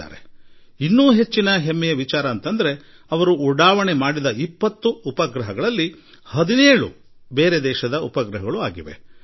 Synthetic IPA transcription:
a̰ːɾḛinːuːɦe̞t͡ʃːinɐɦemːɛjɐʋit͡ʃaːɾɐːnt̪ɐnd̪ɐɾe̞ | ɐʋɐɾuːɽaːʋɐɳemaːɽid̪ɐipːɐt̪ːuupɐɡɾɐɦɐɡɐɭɐlːi | hɐd̪ineːɭṵ | beːɾed̪ɛːʃɐd̪ɐupɐɡɾɐɦɐɡɐɭuaːɡiʋḛ

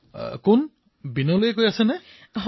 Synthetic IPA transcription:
kʊn | binɔlojekojasɛnɛ | ɦ

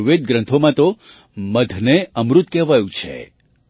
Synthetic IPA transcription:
ʋed̪̚ɡɾə̃nt̪ʰomãt̪o | məd̪ʱneəmɾut̪kɛʋajũt͡ʃʰḛ

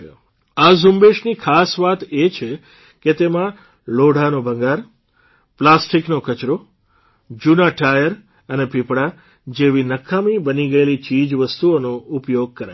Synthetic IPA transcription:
azumbeʃnikʰasʋat̪et͡ʃʰe | ket̪emã | loɽ̤ʱanobʱə̃ŋɡaɾ | plasʈiknokət͡ʃɾo | d͡ʒunaʈʰajəɾ | ənepipɽa | d͡ʒeʋinəkʰːamibəniɡəelit͡ʃid͡ʒʋəst̪uonoupjoɡ̚kəɾa

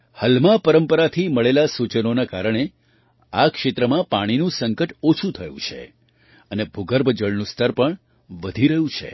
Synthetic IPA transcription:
həlmãpəɾəmpəɾat̪ʰiməɭelasut͡ʃənonakaɾəɽ̃e | akʃɪt̪ɾəmãpaɽ̃inũsəŋkəʈot͡ʃʰũt̪ʰəjṵ̃t͡ʃʰḛ | ənebʱuɡəɾbʱəd͡ʒəɭnũst̪ʰəɾpəɳ | ʋəd̪ʱiɾəɦjũt͡ʃʰḛ

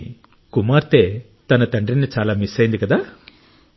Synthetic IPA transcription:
kumaːɾt̪eː | t̪ɐnɐt̪ɐɳɖɾinit͡ʃaːlaːmisːɐjind̪ikɐd̪aː

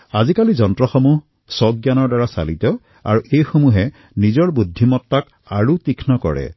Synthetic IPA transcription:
azikalizɔntɹɔxɔmuɦ | sɔɡ̚janɔɹdaɹasa̰litɔ | a̰ɹuʔejxomuɦɛ | nizɔɹbudʱːimɔtːak | aɹutikʰnɔkɔ̰ɹɛ̰

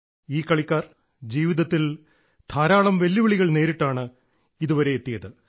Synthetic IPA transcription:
iːkːɐɭikʲːaːr | d͡ʑiːʋiðɐt̪ːil | t̪ʰaːɾaːɭɐmʋelːiʋiɭiɣɐɭne̞ːɾiʈːaːɳɨ | iðuʋɐɾe̞ːt̪ːijɐðɨ

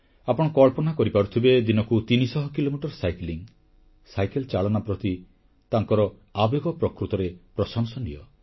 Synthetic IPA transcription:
apɔɽ̃ɔkɔɭpɔnakɔɾipaɾut̪ʰibed̪inɔkut̪inisɔɦɔkilomiʈɔɾsajkliŋ | sajkelt͡ʃaɭɔnapɾɔt̪i | t̪aŋkɔɾɔ | abjeɡɔpɾɔkɾut̪ɔɾepɾɔsɔŋsɔnḭjɔ

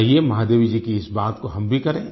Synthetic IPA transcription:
ɦiemɐɦaːd̪eːʋid͡ʒiːkiɪsbaːt̪koɦɐmbʱikɐɾẽː

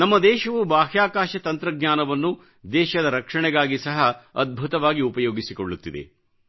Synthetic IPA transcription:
nɐmːɐd̪ɛːʃɐʋubaːɦjaːkaːʃɐt̪ɐnt̪ɾɐɡɲaːnɐʋɐnːu | d̪ɛːʃɐd̪ɐɾɐkʂɐɳɛɡaːɡisɐɦɐɐd̪̚bʱut̪ɐʋaːɡiupɐjoːɡisikoɭːut̪ːid̪ḛ

